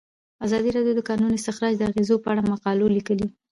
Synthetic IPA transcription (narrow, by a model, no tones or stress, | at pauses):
azɑd̪iɾɑɖjod̪əkɑnunɪst̪ɪxɾɑd͡ʒd̪əaɣezopəaɽamaqɑlolikəli